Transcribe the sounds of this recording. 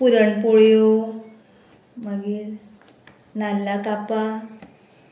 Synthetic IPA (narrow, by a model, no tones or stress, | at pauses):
puɾəɳpoɭjo | məɡiːɾ | nalːakapa